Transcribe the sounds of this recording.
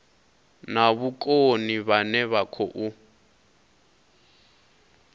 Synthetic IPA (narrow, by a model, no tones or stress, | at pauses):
naβukʼoniβanɛβakʰɔʔu